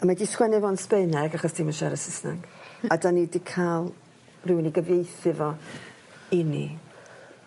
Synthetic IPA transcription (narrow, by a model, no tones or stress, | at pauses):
amadiskwɛnɨvɔnspeɨnɛɡaχɔsd̥ʰiːmanʃɛɾəsɪsna̰ŋɡ̥adanidikʰalˠ | rɪwniɡəvjejθɪvɔ | ɪnḭ